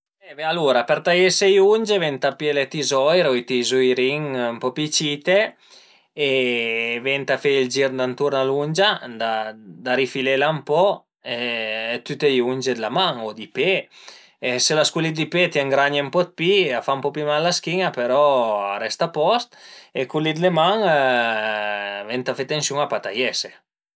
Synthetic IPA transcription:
ɛbɛaluɾapeɾt̪ajesejuɲd͡ʒevɛnt̪apjelet̪izɔjɾojt̪izujɾiŋmpɔpit͡ʃit̪eː | vɛnt̪afeild͡ʒiɾd̪ant̪uɾnalund͡ʒad̪ad̪aɾifilelampɔ | ɛt̪yt̪ejund͡ʒed̪lamaŋod̪ipe | eselaskulit̪d̪ipet̪jɛŋɡɾaɲempɔt̪̚piafampɔpimalːaskiɲapeɾɔɾɛst̪apɔst̪ekulid̪lemaŋ | vɛnt̪afet̪ːensjuŋapat̪ajɛse

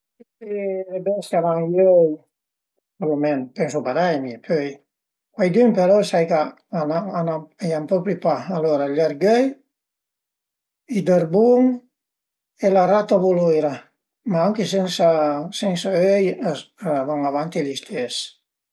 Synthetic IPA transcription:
teɾebɛsavaŋjøj | olumɛnpɛŋs̬upad̪ajmipøj | kwajd̪ympeɾɔsajka | anaanaejampɔpɾipaaloɾaʎaɾɡœj | id̪əɾbuŋ | elaɾat̪avolojɾa | maaŋkesɛnsasɛnsaøj | vaŋavant̪elist̪ʰɛs

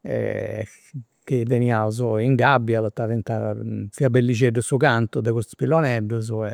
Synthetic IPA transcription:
ɛ̰ | k̟id̪eniauz̬ʊiŋɡabːjalot̪ːavent̪afiabelːid͡ʒeɖːəsukant̪ud̪ekust̪pilːɔnɛɖːəz̬uɛ

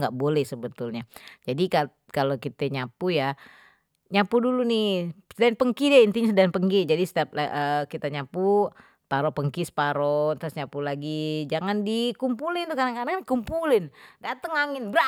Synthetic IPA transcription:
ŋɡaʔbolɛhsəbət̪ulɲad͡ʒadika | kalokit̪ɛɲapuja | ɲapudulunɪsədaanpəŋkidint̪iɲasədaanpəŋɡid͡ʒadisə̥t̪iap̚laʔəkit̪aɲapu | t̪aɾɔpəŋkɪspaɾɔt̪ɾʊsɲapulaɡid͡ʒaŋandikumpulɪnt̪ukadaŋkadaŋdikumpulɪndat̪əŋaŋɪnbɾa

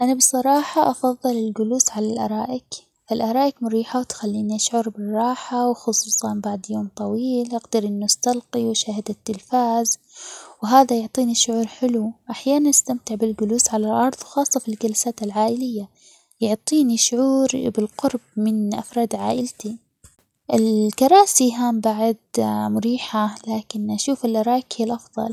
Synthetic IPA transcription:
ʔanabɨsˤɑɾˤɑːħɑʔɑfɑðˤːɨlɪlɡʊluːsʕalalʔɑ̰ɾˤɑːʔɪk | falʔɑɾˤɑːʔɪkmʊɾiːħawt̪xalːiːniʔaʃʕʊɾbɪrˤːɑːħawxʊsˤuːsˤɑnbaʕd̪joːmt̪ˤɑwiːlʔaɡd̪ɪɾʔɪnːʊst̪alqiwʃaːhɪd̪at̪ːɪlfaːz | wɦaːðajʊʕt̪ˤiːniʃʊʕuːɾħɪluʔaħjaːnanɪst̪amt̪ɪʕbɪlɡʊluːsʕalalʔɑɾˤðˤwxɑːsˤːɑfilɡalasaːt̪alʕaːʔɪlɪjːa | jʊʕt̪ˤiːniʃʊʕuːɾbɪlqʊɾbmɪnʔa̰fɾˤɑːd̪ʕaːʔɪlt̪i | ʔɪlkɑɾˤɑːsiɦaːmbaʕd̪mʊɾiːħalaːkɪnʔaʃuːfɪlʔɑɾˤɑːklʔɑfðˤɑ̰l

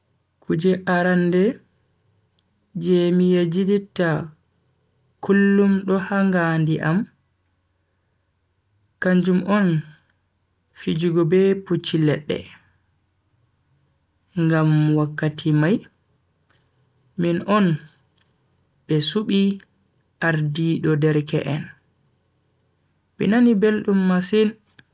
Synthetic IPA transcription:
kʰud͡ʒɛʔaɾandɛ | d͡ʒemijad͡ʒiditːa | kʰulːumɗɔhaŋɡandiʔam | kaɲd͡ʒumʔɔn | fid͡ʒuɡɔbɛput͡ʃːilɛɗːɛ̰ | ŋɡamwakːatʰimaj | minʔɔn | ɓɛsuɓi | ʔaɾdiɗɔdɛɾkɛ̰ʔɛn | ɓḭnanibelɗumːasin

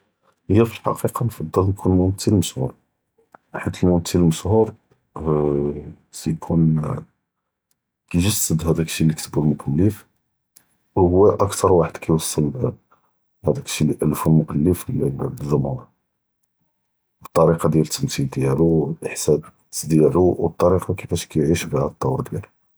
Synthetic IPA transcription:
həjːæfilħɑ̰qiqɑnfɑd̪ˤːɑlnkʰunmʊmt̪ːəlməʃhuɾ | ħət̪ːəlmʊmt̪ʰːəlməʃhuɾ | sæjkʰun | kæʒəsːəd̪hæd̪ækə̥ʃilikt̪ʰəblmʊʔælːəf | whʊwːæʔəkt̪ʰɑɾˤwaħəd̪̥kæjwɑsˤːəl | hæd̪ækə̥ʃiləʔælfunmʊkælːəfʒʊmhuɾ | ət̪ˤːɑɾiqɑd̪jælət̪ːəmsild̪jælulʔəħsæb | d̪jæluwt̪ˤːɑɾiqɑkəfæʃkæjʕiʃbihæd̪ət̪ˤːɑwɾd̪jælu

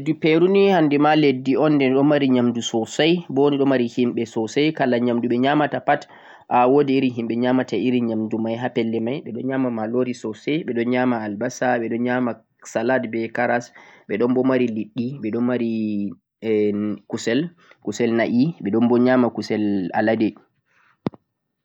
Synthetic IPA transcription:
dupeɾunihandɛmaledːiɔndɛɗɔmaɾiɲamdusɔsajbɔniɗɔmaɾihimɓɛsɔsajkalaɲamduɓɛɲamatapat | ʔawodiːɾiɦimɓɛɲamataiɾiɲamdumajɦapɛlːɛmajɓɛɗɔnɲamamaloɾisɔsɛjɓɛɗɔnɲamaːlbasaɓɛɗɔnɲama | saladbɛkaɾasɓɛɗɔnbɔmaɾiliɗːiɓɛɗɔnmaɾi | kusɛl | kusɛlnaʔiɓɛɗɔnbɔɲamakusɛla̰ladɛ

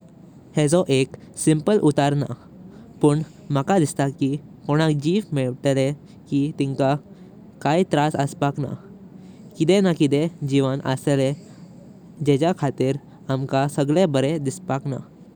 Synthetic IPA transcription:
hed͡zɔʔeksimpəlʔut̪aɾna̰ | pəɳ | makad̪ist̪akikoɽ̃akd͡ʑiːʋmiɭʈele | kit̪iŋka | kait̪ɾasəspakna̰ | kit̪enakit̪ed͡ʑiʋanʔə̰sele | d͡ʑɛt͡ɕakʰat̪iːɾ | amkasəɡɭebəɾed̪ispakna̰

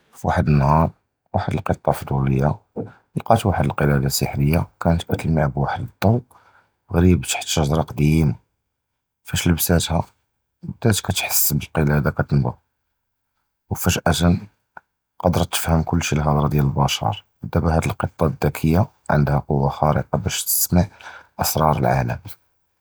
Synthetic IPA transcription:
fwaħəd̪ənːhɑɾˤ | waħəd̪əlqət̪ˤːɑfd̪uləjːa | lqɑt̪waħəd̪əlqəlæd̪asəħɾəjːakʰænət̪kæt̪əlmiʕbwaħəd̪əd̪ˤːɑw | ɣɾibt̪ḁħt̪ːəʒɾˤɑqd̪ima | fæʃləbsæt̪hæ | bd̪æt̪kæt̪ħə̥sːbəlqəlæd̪akæt̪ənbɑ̰ | wfæʃʔæt̪æn | qɑd̪əɾˤt̪ːə̥fhəmkʊlːʃilɣɑd̪ˤɾˤɑd̪jæləlbɑʃɑ̰ɾˤ | əd̪ːæbæhæd̪əlqət̪ˤːɑd̪ːækʰəjːa | ʕə̰nd̪hæqʊwːaxæɾə̰qɑbæʃt̪ə̥smaʕʔəsɾˤɑɾˤəlʕa̰lə̰m

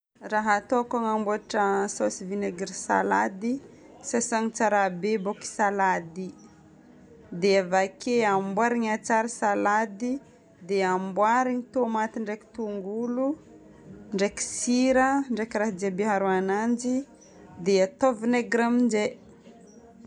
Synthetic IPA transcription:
raɦat̪oakaŋambuaʈ͡ʂəsosivineɡɾisa̰lad̪i | sesaŋit͡saɾabeboki̥salad̪i | d̪eavakʰeambwaɾiɲat͡saɾisalad̪i | d̪eambwaɾiɲit̪omat̪iɳɖ͡ʐeki̥t̪uŋɡulu | ɳɖ͡ʐeki̥siɾəɳɖ͡ʐekiɾaɦad͡ʒebeɦaɾuanand͡ʒi | d̪eat̪ovineɡɾamind͡ʒe

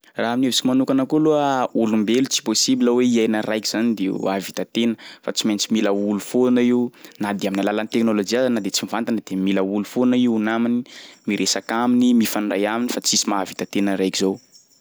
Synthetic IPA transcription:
raɦamnevisikimanukanəkuluəulumbelut͡si̥posibiləweiajnarajki̥z̥anid̪ḛavit̪at̪enəfat͡simajnt͡similəulufonaiunad̪eaminalalanit̪eknolod͡ʒiazanəd̪et͡simivant̪anəd̪̥emiləulufonaiunaminimiɾʔesakaminimifanɖ͡ʐajaminifat͡sisimaːvit̪at̪enəɾajkizow

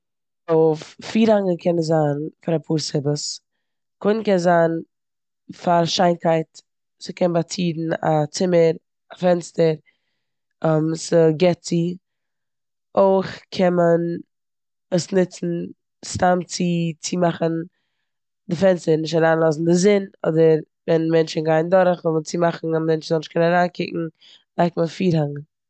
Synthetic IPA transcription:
ofːiːɾaŋəkʰɛnəzaːnfaɾapʰuːɾsɪbəs | kʰʊn̩kɛnzaːn | faɾʃaɪnkaɪt | səkʰɛnbat͡siːdn̩a̰t͡sɪməɾ | afɛnstəɾ | ɔmsəɡɛt͡si | oɪχkʰɛnmən | əsnɪt͡sn̩ | stamt͡sɪt͡sɪmaχən̩ | dɪfɛnstəɾnɪʃ̬taɾaːnlˠɔs̬n̩dɪzɪnɔ̰dəɾ | vɛnmɛnt͡ʃɪnɡaɪndɔɾəχvɔlˠmət͡simaχn̩amɛnt͡ʃzɔnɪʃkʰɛnaɾaːnkʰɪ̰kŋ̩ | laɪkmənfiːɾhaŋə

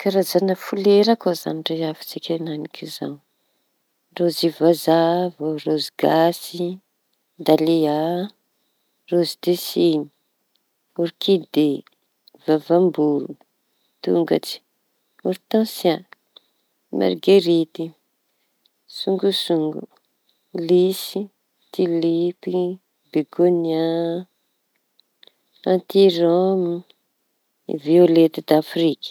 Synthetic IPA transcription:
kaɾazanəfuleɾakoza̰niʈ͡ʂeafi̥t͡sikʲananikʰiza̰n | rozivazavoroziɡasi | d̪alia | rozid̪esini̥ | uɾikid̪e | vavambuɾu | t̪ṵŋɡa̰ʈ͡ʂi̥ | uɾt̪ãsja | mʔa̰rɡeɾit̪i | suŋɡusuŋɡṵ | lisi | t̪ilipi | beɡonia | ãnt̪iɾɔmi | ḭviolet̪id̪afrikə̥

